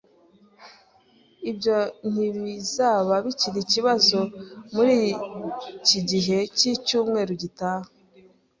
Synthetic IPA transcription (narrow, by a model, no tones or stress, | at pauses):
ibjo̞n̥iβizaːβaβiciɾiciβazo̞muɾi | ciɟiɦe̞cicuːmŋe̞ːɾuɟitaːhe